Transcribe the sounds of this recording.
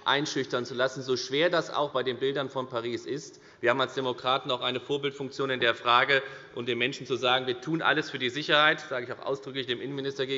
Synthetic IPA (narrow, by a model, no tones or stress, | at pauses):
ʔa̰ɪnʃʏçtɐnt͡sulasn̩zoːʃv̥eːɐdasa̰ʊxb̥aɪdeːnbɪldɐnfɔnpaʁiːsɪst | viːɐhaːbm̩alsd̥emokʁ̥aːtn̩aʊxʔaɪnəfoːɐbɪltfʊŋkt͡sjoːnɪndeːɐfʁ̥aːɡəʔʊmd̥eːnmɛnʃn̩t͡suzaːɡŋ̩viːɐtʰuːnʔa̰ləsfyːɐdiːzɪçɐhaɪtz̥aːɡəɪçaʊxʔa̰ʊsd̥ʁʏklɪçd̥eːmʔɪnənmɪnɪstɐɡeː